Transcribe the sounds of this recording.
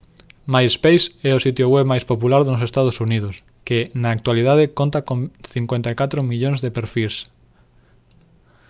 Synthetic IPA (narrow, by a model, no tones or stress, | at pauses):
majspejsɛʊsit̪joɣwɛβmajspopulaɾðnʊsest̪að̞osuniðʊs | kɪnɐːk̚t̪waliðað̞ekont̪akõŋθiŋkwẽnt̪ajkat̪ɾomiʎõŋzðepeɾfils